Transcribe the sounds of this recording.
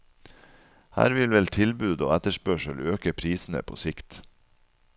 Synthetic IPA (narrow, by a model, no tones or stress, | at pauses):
hæ̰ːɾʋɪlʋɛlt̪ʰɪlbʉːd̪o̰ːɛt̪əʃpœʃəløːkəpʰɾiːsn̩ə̰pʰo̰ːsɪkt̪